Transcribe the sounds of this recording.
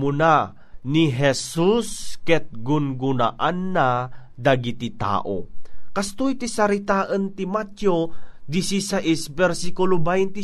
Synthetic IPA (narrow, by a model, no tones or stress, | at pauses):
mʊna | niɦɛsuskɛt̪̚ɡʊnɡʊna̰ʔanːa | d̪aɡit̪it̪a̰ːʔo̰kɐst̪ojt̪isɐɾit̪aːʔənt̪imat̪jod̪isisaʔisbɛɾsikʊlobajnt̪i